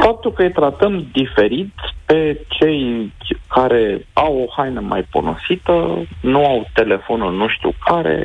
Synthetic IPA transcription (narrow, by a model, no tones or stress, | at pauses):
fap̚t̪ulkəɨjt̪ɾat̪əmd̪ife̞ɾit̪pe̞t͡ʃe̞jkaɾe̞awo̞hajnəmʔa̰jpo̞̰no̰sit̪ənuawt̪e̞le̞fo̞nulnuʃt̪iṵkʰaɾḛ